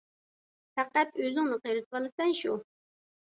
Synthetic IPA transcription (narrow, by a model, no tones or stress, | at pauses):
fæqːæt̪øzɪŋnɨqʰəjɾɨt̪̚qɑlˠɨsɛnʃu